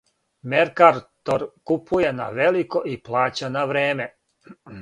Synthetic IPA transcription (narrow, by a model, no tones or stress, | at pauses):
meɾkaɾt̪oɾkupujena̰ʋelikoʔiplaːt͡ɕanaʋɾeːme